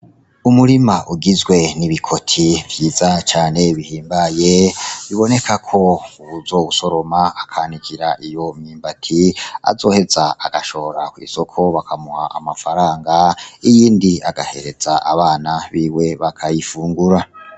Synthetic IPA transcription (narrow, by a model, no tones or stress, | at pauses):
umuɾimaʔuɡizɡwe̞niβikʰo̞tʰivjiːzat͡ʃaːne̞βihiːmbaje̞βiβo̞ne̞kʰakʰo̞uβuzo̞ːβuso̞ɾo̞maakʰanikʰiɾaʔijo̞miːmbatʰia̰zo̞ːhe̞zaa̰ɡ̥aʃo̞hoɾakwḭːso̞kʰo̞βakʰamuhaʔamafaɾaːŋɡaijiːndiaɡahe̞̰ɾe̞z̥aʔa̰βaːnaβiːwe̞βakʰajifuːŋɡuɾa